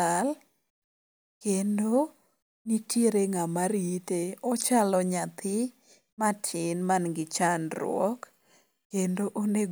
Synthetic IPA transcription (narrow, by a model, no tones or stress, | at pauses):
al | kendo | nitjeɾeŋamaɾiteɔt͡ʃalɔɲat̪ʰɪ | mat͡ʃʰɪnmanɡɪt͡ʃanɾʊ̰wɔ̰k | kendoʔone